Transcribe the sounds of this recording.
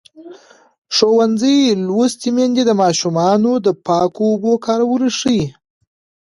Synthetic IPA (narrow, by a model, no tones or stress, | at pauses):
ʂowanzəjlwost̪imend̪ed̪əmɑʃumɑnod̪əpɑkoːbokɑɾawəɾəʂəj